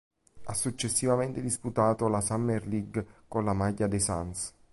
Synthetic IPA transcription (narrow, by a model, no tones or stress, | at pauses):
a̰sːut͡ʃːesːivament̪ed̪isput̪aːt̪olasamːerliɡkonlamajːad̪esans